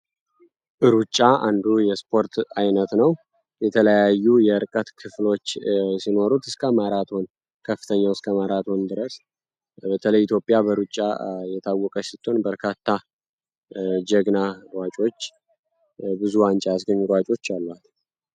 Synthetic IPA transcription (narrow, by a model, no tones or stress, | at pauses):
ʔɨɾut͡ʃʼːaʔand̪ujɛspʰo̞ɾt̪ajnət̪nəw | jɛt̪ʰələjajːujɛɨɾkʼət̪kʰɨflo̞t͡ʃːsino̞ɾut̪ɨskʰəmaɾat̪ʰo̞n | kʰəfːɨ̥t̪ʰəɲːawɨskʰəmaɾat̪ʰo̞nd̪ɨɾəs | bət̪ʰələjɪt̪ʰjo̞pʼːjabəɾut͡ʃʼːa̰jɛt̪ʰawːɔkʼəsɪt̪ʰʼːo̞nbəɾkʰat̪ʰːa | d͡ʒəɡnaɾwat͡ʃʼo̞t͡ʃː | bɨzuant͡ʃʼajasɡəɲːuɾwat͡ʃʼo̞t͡ʃːalːat̪